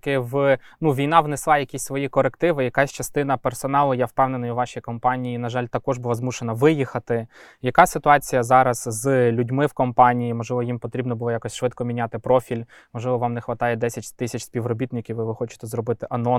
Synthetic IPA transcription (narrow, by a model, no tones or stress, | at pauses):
kɪʋ | nuʋʲijn̪ɑʋneslˠɑjɐkʲisʲsʋɔjikɔɾekt̪ɪʋɪjɐkasʲt͡ʃɐst̪ɪnɐpersɔnɑlˠʊjawpɛwnenɔjʊʋɑʃʲijkɔmpɑnʲijinɐʒɑlʲt̪ɐkɔʒbʊlˠazmuʃenɐʋɪjixɐt̪ɪ | jɐkɑsɪt̪ʊɑt͡sʲijɐzɑɾɐz̥zlʲudʲmɪwkɔmpɑnʲijimɔʒlˠɪʋɔjimpɔt̪ɾʲibnɔbʊlˠɔjakɔsʲʃʋɪt̪̚kɔmʲinʲat̪ɪpɾɔfʲilʲ | mɔʒlˠɪʋɔʋɑmnɛxʋɐt̪ɑjɛd̪ɛsʲɐtʲt̪ɪsʲɐt͡ʃʲsʲpʲiʋrɔbʲit̪nɪkʲiwʋɪʋɪxɔt͡ʃɪ̥t̪ɛzɾɔbɪt̪ɪʔɐnɔ